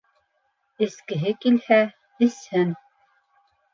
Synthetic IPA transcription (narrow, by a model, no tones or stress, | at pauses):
ɘ̆skɘ̆ɦɘkilhæ | ɘ̆shɘn